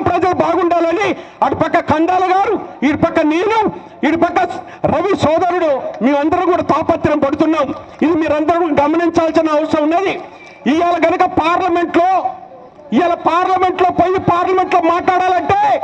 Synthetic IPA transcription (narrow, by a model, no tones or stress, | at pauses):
pɾɐd͡ʒɐlubaːɡuɳɖaːlɐni | ɐʈupɐkːɐkɐnd̪aːlɐɡaːɾuiʈipɐkːɐneːnu | iɽipɐkːɐ | ɾɐʋisɔːd̪ɐɾuɽumeːɐnd̪ɐɾukuːɽaːt̪aːpɐt̪ːɾɐmpɐɽut̪unːaːm | id̪imiːɾɐnd̪ɐɾukuɽɐɡɐmɐniɲt͡ʃaːlsinɐːʋɐsɾɐmnːeːd̪i | ijaːlɐɡɐnɐkɐpaːɾlɐme̞ɳʈloː | ijaːlɐpaːɾlɐme̞ɳʈlo̞ːpoːjːipaːɾlɐme̞ɳʈloːmaːʈlaːɽaːlɐɳʈe̞ː